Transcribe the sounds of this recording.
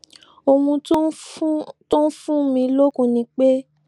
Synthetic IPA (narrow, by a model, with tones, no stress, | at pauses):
o˧mũ˧˦ | to˦n̩˦fũ˦mĩ˧lo˦kũ˦˨nĩ˧˦k͡pe˦